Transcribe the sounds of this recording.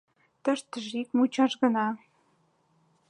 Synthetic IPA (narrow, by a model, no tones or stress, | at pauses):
t̪ə̆ʃt̪əʒikmut͡ɕɑʃɣə̆nɑ